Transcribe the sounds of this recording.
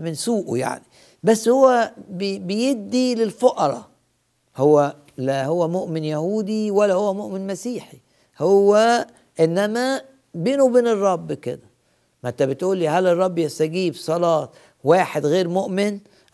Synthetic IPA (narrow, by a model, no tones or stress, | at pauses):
mɪnsuːʔṵja̰ʕni | bæsːhowːæbbejeb̚d̪ilelfoʔɑɾˤɑ̰ | howːæ | læhowːæmoʔmɪnjæhuːd̪iwælːæhowːæmoʔmenmæsiːħi | howːæ | ʔenːæmæ | beːnubeːnerˤːɑbːkḛd̪æ | mænt̪ːæbet̪ʔuːlːiːɦælerˤːɑbːjæst̪æɡiːbsˤɑlɑːt̪ | waːħed̪ɣeːɾmoʔmɪn